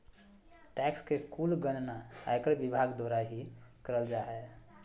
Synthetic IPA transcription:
ʈɛkskekulɡənnaa̰jkɾbibʱaɡd̪oɾaɦikəɾəld͡ʒaɦɛ

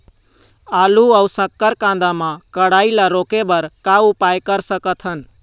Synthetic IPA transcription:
aluəusəkːəɾkãnd̪amãkəɽailaɾokebəɾkaupajkəɾsəkət̪ʰɦən

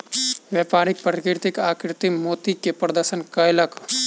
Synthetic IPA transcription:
ʋɛːpaːɾik̚pəɾkiɾt̪ikaːkɾt̪imoːt̪ikepɾɐd̪əɾʃənkɐjlɐk

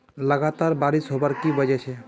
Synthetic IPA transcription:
ləɡat̪aːɾbaːɾisɦobaɾkibəd͡ʒɛt͡ʃʰe

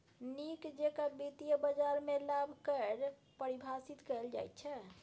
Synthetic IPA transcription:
nikd͡ʒekabit̪ijəbəd͡ʒaɾmelabʱkəɾ | pəɾibʱasit̪kɛld͡ʒa̰jt̪̚t͡ʃʰɛ

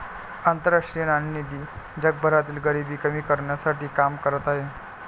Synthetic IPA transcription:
ant̪əɾaʂʈiə̃annid̪iː | d͡ʑəɡ̚bʱəɾat̪̬iːlɡəɾibiːkəmiːkəɾɳjasaʈiːkamkəɾət̪aɦe

